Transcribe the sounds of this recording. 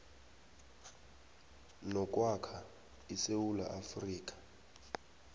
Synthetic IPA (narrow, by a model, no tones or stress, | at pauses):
nɔkʼwakʰa | isewula̰ʔafriːk̬ʼḁ